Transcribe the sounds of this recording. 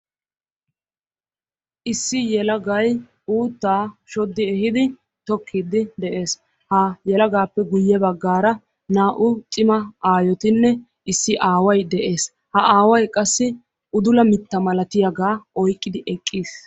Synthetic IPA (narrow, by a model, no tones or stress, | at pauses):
ʔɪsːɪjɛlɐɡɐj | uːt̪ːaːʃɔd̪ːɪɛhɪd̪ɪ | t̪ɔkʰːid̪ɪd̪ɛʔe̞ːs | hɐjɛlɐɡaːpːɛɡʊjːɛbɐɡːaːɾɐ | naːʔʊt̪ʼɪmɐaːjɔt̪ɪnːɛ | ɪsːɪʔaːwɐjd̪ɛʔe̞ːs | hɐaːwɐjkʼɐsːɪ | ʔʊd̪ʊlɐmɪt̪ːɐmɐlɐt̪ɪjaɡaːɔjkʼːɪd̪ɪʔɛkʼːiːs